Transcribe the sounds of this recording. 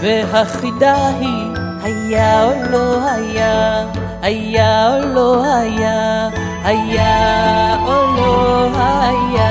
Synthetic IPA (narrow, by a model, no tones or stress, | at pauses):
veɦaχid̪aɦi | hajaolohaja | ajaolohaja | haja | oloɦaa